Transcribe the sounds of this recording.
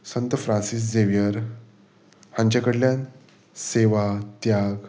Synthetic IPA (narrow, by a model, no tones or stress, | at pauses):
sənt̪əfɾãnsis̬d͡zeʋjəɾ | hãɲt͡ɕakəɽljan | seʋat̪jaɡ